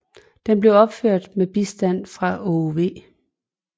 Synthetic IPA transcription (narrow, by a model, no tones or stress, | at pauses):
d̥emb̥leʊɒ̽b̥føɐ̰d̥meb̥isd̥æn̰fʁɑ̈oʋe̝̰ː